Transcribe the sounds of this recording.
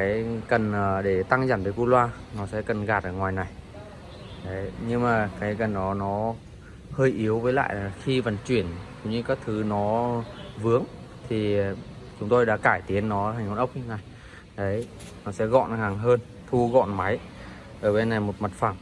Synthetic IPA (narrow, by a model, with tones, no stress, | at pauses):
kaː˨˦jkə˨˩nʔəː˨˩ɗe˧˩t̪a˧ŋza˧˩nveː˨˦jku˧lwaː˧nɔ˨˦sɛ̰˧˥kə˨˩nɣaː˨˩t̚ʔəː˨˩ŋwaː˨˩jna˨˩j | ɗə˨˦jɲɨ˧ŋmaː˨˩kaː˨˦jkə˨˩nɗɔ˨˦nɔ˨˦ | həː˧jʔi˨˦əwvəː˨˦jla̰ː˧˨jlaː˨˩xi˧və˨˩nt͡ɕwi˧˩ənzʊ˨˦ŋ͡mɲɨ˧kaː˦˥k̚t̪ʰɨ˨˦nɔ˨˦vɨ˨˦əŋt̪ʰi˨˩t͡ɕʊ˨˦ŋ͡mt̪o˧jɗa̰ː˧˥kaː˧˩jt̪i˨˦ənːɔ˨˦ha˨˩ŋ̟ŋ˨˧˩nʔə˦˥wk͡p̚i˧na˨˩j | ɗə˨˦j | nɔ˨˦sɛ̰˧˥ɣɔ̰˧˨nha˨˩ŋɦəː˧n | t̪ʰu˧ɣɔ̰˧˨nma˨˦j | ʔəː˧˩ɓe˧nːa˨˩jmo˨˩t̚ma˨˩t̚fa˧˩m